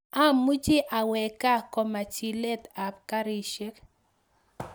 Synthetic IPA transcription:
a˦mːu˦d͡ʒe˦ʔa˨wɛ˨ka˦kɔ˨ma˨t͡ʃi˨lɛ˦ta˨p̚ka˦ɾi˨ʃɛ˦k

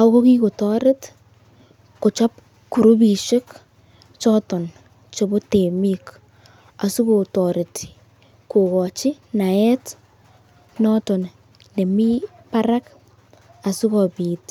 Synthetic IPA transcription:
a˨˦ko˦ki˦ko˨tɔ˦ɾɪ˦t | ko˨t͡ʃɔ˦p̚ | ku˨ɾu˦bi˨ʃe˦k | t͡ʃɔ˦tɔ˨n | t͡ʃo˨bo˦te˨mi˦k | a˨su˦ko˨tɔ˨ɾɪ˨t | ko˨kɔ˨t͡ʃɪ˦ | na˨ɛ˦t | nɔ˦tɔ˨n | ne˨mi˦ | pa˦ɾa˦k | a˨su˦kɔpi˨t

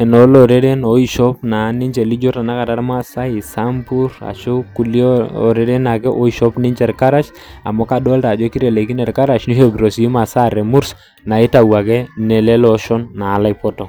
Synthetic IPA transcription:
ɛ˨nɔ˨˦lɔ˨ɾɛ˦ɾɛ˦nɔ˨˦i˨ʃɔ˦pna˨˦ni˦ɲt͡ʃɛ˨li˦d͡ʒɔ˦ta˨na˦ka˨ta˦ɾma˦sa˦ɪ˨sa˦mbu˦ɾa̰˨ʃʊ˦ku˨li˦ɔ̰˨ɾɛ˦ɾɛ˦na˨kɛ˦ʔo˦i˦˨ʃɔ˦pnɪ˦ɲt͡ʃɛ˨ɾka˦ɾa˦t͡ʃ | a̰˨mɔ˦ka˦dɔ˦lta˨d͡ʒɔ˦ki˦ɾɛ˨lɛ˨ki˦nɛ˨ɾka˦ɾa˨ʃni˦ɦo˦bɾɔ˨si˦ma˨sa˦˨ɾɛ˨mu˦ɾs | na˨ɪ˦ta˨wa˨kɛ˦nɛ˨lɛ˦lɔ˦ʃɔ˦nːaː˨la˦jpɔ˦tɔ˨

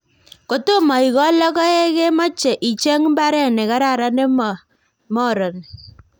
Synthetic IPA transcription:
ko˨to˦ma˨i˨ɣɔ˦lɔ˦ɣɔ˦e˦ɣe˦ma˦t͡ʃɛ˨ʔi˨t͡ʃɛ˦ŋmba˦ɾɛ˦nɛ˨ka˦ɾa˦˨ɾa˦ne˦m˨ | mɔ˦˨ɾɔ˨n

